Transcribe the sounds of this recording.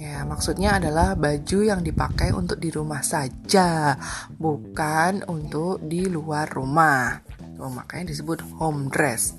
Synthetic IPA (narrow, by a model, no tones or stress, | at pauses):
jamaksut̪̚ɲaːdalahbad͡ʒujaŋdipakajṵnt̪ʊk̚diɾumahsad͡ʒa | bukanunt̪ʊk̚diluarːumah | t̪oma̰kajadis̬əbʊt̪̚homdɾɛs